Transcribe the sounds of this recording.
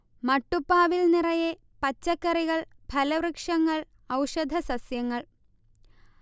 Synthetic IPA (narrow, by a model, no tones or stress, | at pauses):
mɐʈːupːaːʋilnirɐje | pɐt͡ɕːɐkːɐriɣɐɭbʱɐlɐʋrɨkʂɐŋːɐɭ | ɐwʂɐd̪ʱɐsɐsjɐŋːɐɭ